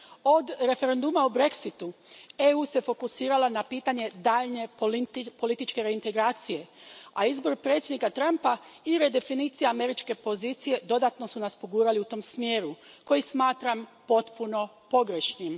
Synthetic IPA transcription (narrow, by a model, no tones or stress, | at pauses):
o̞d̪ɾe̞fe̞ɾe̞nd̪umaubɾe̞ksit̪ueuːse̞fo̞kusiːɾalanapiːt̪aɲe̞d̪aːʎne̞po̞lit̪it͡ʃke̞ɾe̞int̪eɡɾaːt̪sije̞aizbo̞ɾpɾet̪sje̞d̪nikat̪ɾampaiɾe̞d̪e̞finiːt̪sijaame̞ɾit͡ʃke̞po̞zit̪sije̞d̪o̞d̪at̪no̞sunaspo̞ɡuːɾaliut̪o̞msmjeːɾuko̞jismaːt̪ɾampo̞t̪puno̞ | po̞ɡɾeʃnim